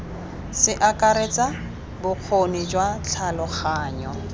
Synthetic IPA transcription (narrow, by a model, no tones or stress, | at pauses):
sɪʔakaɾet͡sʼa | bʊq͡χʰonid͡ʒwat͡ɬʰalɔχaːɲɔ